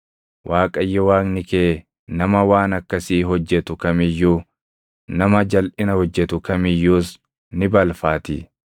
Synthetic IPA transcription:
wʔaːkʼɐjːɛwaːknɪkeː | nɐmɐwaːnɐkːɐsiːɦɔd͡ʒːɛt̪ʊkɐmɪjːuː | nɐmɐd͡ʒɐlʔɪnɐhɔd͡ʒːɛt̪ʊkɐmɪjːuːs | nɪbɐlfaːt̪ɪ

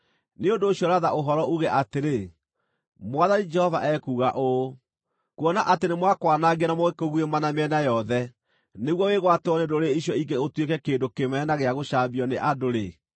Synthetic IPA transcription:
neondoːɕjɔɾaðaʔoɦɔɾɔuɣɛʔateɾe | mwaðanid͡ʒɛhɔva̰ʔɛkuːɣaʔo | kwɔnaʔatenemwakwanaɣenamɔɣekoɣwemanameɛnajɔðɛ | neɣwɔweɣwatwɔnedoɾeiɕjɔiɡeotwekɛkeːndokemɛnaɣeaɣoɕaːbiɔneʔadoɾe

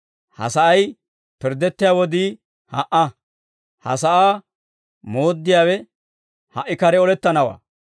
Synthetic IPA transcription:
hɐ̰sɐʔɐj | pɪɾd̪ɛt̪ːɪjaːwɔd̪iː | hɐʔɐ | hɐ̰sɐʔaː | mo̞ːd̪ːɪjaːwɛ | hɐʔɪkɐɾɛɔlɛt̪ːɐnɐwa̰ː

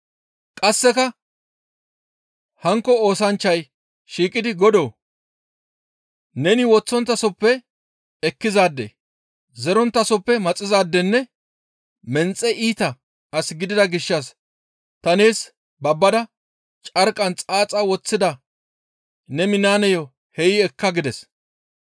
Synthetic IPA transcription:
kʼɐsːɛkɐ | hɐŋkːɔo̞ːsɐnt͡ʃːɐj | ʃiːkʼɪd̪ɪɡɔd̪oː | nɛnɪwɔt͡sːɔnt̪ːɐsɔpːɛ | ɛkːɪzaːd̪ːḛ | zɛɾɔnt̪ːɐsɔpːɛmɐt͡sʼːɪzaːd̪ːɛnːɛ | mɛnt͡sʼːɛʔiːt̪ɐ | ɐsɡɪd̪ɪd̪ɐɡɪʃːɐs | t̪ɐneːs | bɐbːɐd̪ɐ | t͡ʃʼɐɾkʼɐnt͡sʼaːt͡sʼɐwɔt͡sːɪd̪ɐ | nɛmɪnaːnɛjɔ | hɛjɪɛkːɐɡɪd̪ɛs

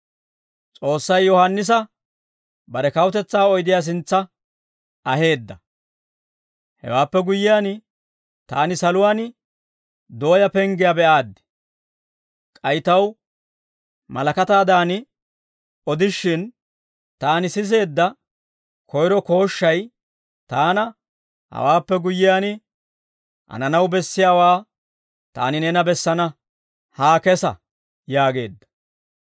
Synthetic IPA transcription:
t͡sʼo̞ːsːɐjːɔhɐnːɪs̬ɐ | bɐɾɛkɐwt̪ɛt͡sːaːɔjd̪ɪjaːs̬ɪnt͡sːɐ | ɐhe̞ːd̪ːɐ | hɛ̰waːpːɛɡʊjːɪjaːn | t̪aːnɪsɐlʊwaːn | d̪o̞ːjɐpɛŋɡɪjabɛʔaːd̪ːɛ̥ | kʼɐjɪt̪ɐw | mɐ̰lɐkɐt̪aːd̪aːnɪ | ɔd̪ɪʃːɪn | t̪aːnɪsɪs̬e̞ːd̪ːɐ | kʰɔjɾɔko̞ːʃːɐj | t̪aːnɐ | hɐ̰waːpːɛɡʊjːɪjaːnɪ | ʔɐ̰nɐnɐwbɛsːɪjaːwaː | t̪a̰ːnɪnɛnɐbɛsːɐnɐ | haːkɛsɐ̰ | jaːɡe̞ːd̪ːɐ̥

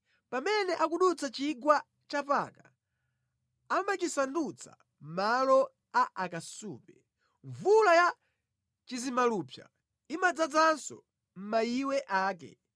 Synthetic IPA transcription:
pamɛnɛʔak̬uɗut͡sat͡ʃiɡwa | t͡ʃapa̰ka | amat͡ʃisandut͡sʰa̰ | malɔ | aʔakasuːpɛ | ɱvulaja | t͡ʃizimaluːpʰja̰ | imad͡zad͡zansɔ̰ | m̩maiwɛʔaːkɛ̰

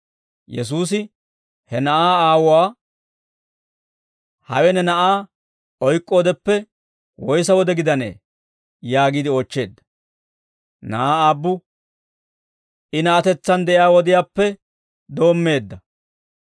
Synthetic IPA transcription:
jɛs̬uːs̬ɪ | hɛnɐʔaːaːwʊwaː | hɐ̰wɛnɛnɐʔaː | ɔjkʼːo̞ːd̪ɛpːɛ | wɔjsɐwɔd̪ɛɡɪd̪ɐnḛː | jaːɡiːd̪ɪoːt͡ʃːe̞ːd̪ːɐ̥ | nɐʔaːaːbːʊ | ʔɪnɐɐt̪ɛt͡sːɐnd̪ɛʔɪjaːwɔd̪ɪjaːpːɛ | d̪o̞ːmːe̞ːd̪ːɐ

